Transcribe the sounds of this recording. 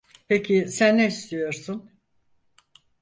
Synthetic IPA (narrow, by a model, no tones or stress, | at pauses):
pʰecʰisænːeist̪ʰijo̞ɾsun